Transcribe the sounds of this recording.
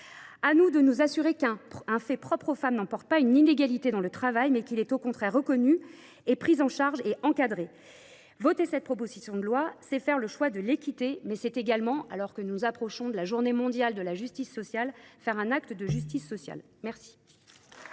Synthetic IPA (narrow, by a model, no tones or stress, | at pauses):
anud̪ənuzasyʁekɛ̃ɛ̃fɛpχɔpχofamnɑ̃pɔʁt̪̚paynineɡalit̪ed̪ɑ̃lət̪χavajmɛkilɛt̪okɔ̃t̪χɛʁːəkɔny | epχizɑ̃ʃaʁʒeʔɑ̃kad̪ʁe | vɔt̪esɛt̪̚pχɔpozisjɔ̃d̪əlwasɛfɛʁləʃwad̪əlekʲit̪emɛsɛt̪eɡalmɑ̃ʔalɔʁkənuzapχɔʃɔ̃d̪əlaʒuʁnemɔ̃d̪jald̪əlaʒyst̪isːɔsjalfɛʁɛ̃nak̚t̪d̪əʒyst̪isːɔsja̰l | mɛʁsi̥